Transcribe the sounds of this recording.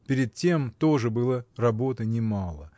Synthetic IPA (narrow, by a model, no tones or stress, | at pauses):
pʲɪɾʲɪd̪̚tʲe̞mt̪o̞ʐɨbɨlˠərɐbo̞t̪ɨnʲɪmalˠə̰